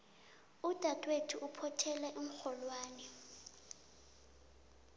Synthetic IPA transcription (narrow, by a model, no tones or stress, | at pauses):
ud̥ʱatʼwetʰuʔupʰɔtʰɛlɛʔum̩xɔlwaːnɛ